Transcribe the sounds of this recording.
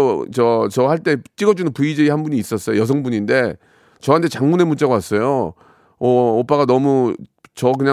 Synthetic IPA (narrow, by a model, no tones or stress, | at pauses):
t͡ɕʌt͡ɕʌhaɭt͈e̞t͡ɕ͈iɡʌd͡ʑunɯnpuid͡ʑeihanbuɲiːs͈ʌs͈ʌjojʌs̬ʰʌŋbuɲinde̞ | t͡ɕʌɦantʰe̞t͡ɕaŋmune̞mut͡ɕ͈aɡawas͈ʌjo | ʌːp͈aɡanʌmut͡ɕʌkɯɲa